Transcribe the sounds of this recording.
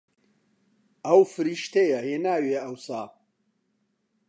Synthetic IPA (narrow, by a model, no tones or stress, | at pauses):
ɐwfɨɾiːʃt̪ejɐheːnaːweːɐwsaː